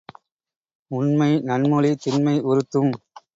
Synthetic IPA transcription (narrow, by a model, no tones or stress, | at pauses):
ʊnmɐɪnɐnmʊlit̪ɪnmɐɪʔʊɾɯt̪ːɯm